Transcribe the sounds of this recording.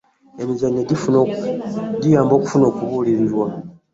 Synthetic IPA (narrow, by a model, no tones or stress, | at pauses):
emizaɲːedifu | dijaːmbo̞ku̥funo̞ːkuβuliɾizwa